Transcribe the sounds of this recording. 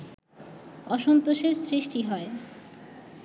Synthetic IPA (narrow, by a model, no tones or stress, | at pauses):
ɔʃont̪oʃeɾsɾiʃʈiɦɔe